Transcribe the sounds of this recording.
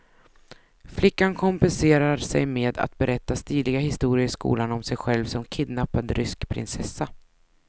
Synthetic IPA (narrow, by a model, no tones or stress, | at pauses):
flɪkːankʰɔmpɛnseːɾaɾsɛ̰jmeːd̪a̰t̪̚bɛɾʔɛt̪ːast̪iːd̪lɪɡahɪst̪uːɾɪəskṵːlanɔmsɛjɧɛlvsɔmkʰɪd̪napːad̪ɾʔʏskpʰɾɪ̰nsɛsːa